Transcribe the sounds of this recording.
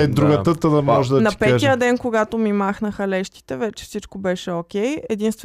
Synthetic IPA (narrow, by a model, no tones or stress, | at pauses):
ɛd̪ɾuɡət̪ət̪əd̪ɐmɔʒɛd̪ɐnɐpɛɛijəd̪ɛnkoɡat̪omimaxnəxəlɛʃt̪i̥t̪ɛvɛt͡ʃɛ̥fsit͡ʃkobɛʃɛokʲɛjɛd̪inst̪vɛ